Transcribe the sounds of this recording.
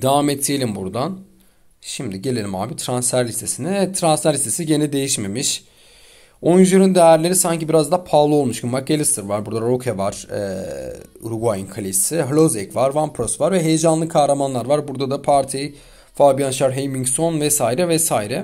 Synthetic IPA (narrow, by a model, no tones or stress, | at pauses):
d̪avaːmɛt̪ʰːijelʲimbuɾd̪an | ʃimd̪iɟelʲe̞lʲima̰ːbit̪ʰɾansfæɾlʲist̪ʰe̞sinɛt̪ʰɾansfæɾlʲist̪ʰesiɟe̞nid̪e̞jiʃme̞miʃ | oynzeɾynd̪ejæɾlʲe̞ɾisaɲcibiɾazd̪apʰaːlˠuolˠmuʃkʰummak̚ɡelʲist̪ʰɯɾvaɾbuɾd̪aɾokʰevaɾ̥ɛ̰ | uɾuɡuajinkʰalʲisɪɦlʲˠozɛcvaɾvampʰɾosvaɾvɛɦe̞jed͡ʒanlˠɯkʰaːɾamanlˠaɾvaɾbuɾd̪ad̪apʰaɾt̪ʰij | fabijanʃaɾɦejmiŋkso̞nvɛsaːiɾɛvɛsaiɾɛ